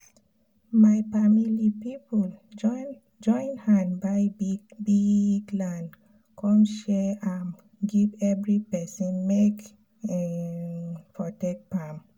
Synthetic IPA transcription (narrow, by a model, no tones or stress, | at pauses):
majfamilipipɔl | d͡ʒɔ̃ɪ̃nhãnbajbiɡlãn | kʰɔ̃mʃɛam | ɡivɛvɹipɛsə̃nmek | ɛ | fɔtek̚pãm